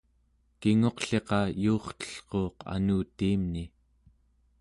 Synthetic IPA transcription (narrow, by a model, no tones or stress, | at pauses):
kiŋo̞qɬe̞qɑjuːχt̪ə̥ɬqo̞ːqa̰nuːt̪iːmni